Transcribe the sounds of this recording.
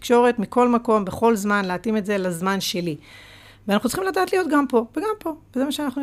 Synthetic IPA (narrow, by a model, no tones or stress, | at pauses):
kʃo̞ʁe̞tmiko̞lmako̞mbe̞χo̞lzmanleatimetze̞lazmanʃe̞li | veanaχnut͡sl̥̩χimlataːtlijo̞tɡampo̞veɡampo̞vezemaʃeanaχnu